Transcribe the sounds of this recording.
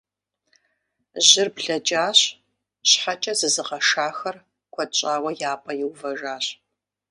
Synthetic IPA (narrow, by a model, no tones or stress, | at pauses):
ʑɪrbɮɐt͡ʃʼaːɕ | ɕħat͡ʃʼɐzɨzɨqɐʂaːxɐr | kʷʰɔt͡ʃʼaːwɐjaːpʰʼɐjɪwvɐʒaːɕ